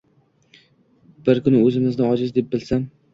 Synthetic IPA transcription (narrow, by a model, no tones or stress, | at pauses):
b̥ɪɾkʰʊnɪɵzɪmɪznɪɒd͡ʒɪzd̪e̞p̚bɪlsam